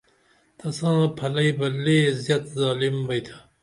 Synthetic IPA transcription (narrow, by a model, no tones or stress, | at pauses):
t̪ʰɐsãːpʰɐlɐibɐleːzjɐt̪zɑːlimbɐjt̪ʰḁ